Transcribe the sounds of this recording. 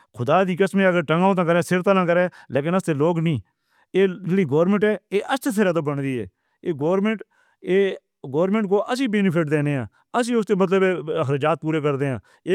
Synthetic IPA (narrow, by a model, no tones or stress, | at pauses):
kʰʊd̪aːd̪iːkəsmẽːəɡəɾʈəŋɡaːõːt̪̬ãːkəɾɛːsɪɾt̪alãːkəɾɛːleːkɪnəst̪eːloːɡnĩː | eːɪliːɡoːɾmẽɳʈɛːeːʔəst͡ʃət̪̬ʰeɾãt̪ãːbəɳd̪iːɛ̰ː | eːɡoːɾmẽɳʈ | eː | ɡoːɾmẽːɳʈkoːʔəsiːbeːnɪpʰɪʈ̚d̪eːneːãː | əsiːʊst̪eːmət̪ləbɛːəxɾaːd͡ʒaːt̪̚puːɾeːkəɾd̪eːã̰ː | eː